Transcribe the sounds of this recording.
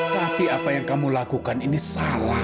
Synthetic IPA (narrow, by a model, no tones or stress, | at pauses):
t̪apiapajaŋkamulakukaninisala